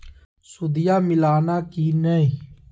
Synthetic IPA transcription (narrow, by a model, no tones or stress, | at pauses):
sʊd̪ɪjaːmɪlaːnaːkiːnəĩː